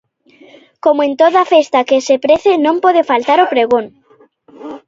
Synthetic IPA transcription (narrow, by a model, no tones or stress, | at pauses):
komoent̪oðafest̪akesepɾeθenõmpoð̞efalt̪aɾopɾeɣ̞on